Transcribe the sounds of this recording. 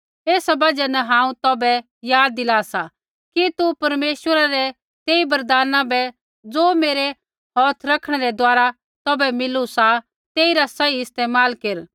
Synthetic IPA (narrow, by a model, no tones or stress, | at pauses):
eːsabɐd͡ʒɛnɛɦãːũt̪ɔbɛ | jaːd̪̚ːɪlaːsa | kit̪upɐɾmeːʃwəɾaɾɛ | t̪eːibɐɾd̪aːnãbɛ | d͡zoːmeːɾɛ | ɦɔːt̪ʰɾɐkʰɽ̃ɛɾɛd̪ʊaːɾa | t̪ɔbɛmɪlusa | t̪eːiɾasɐiɪst̪eːmaːlkeːɾ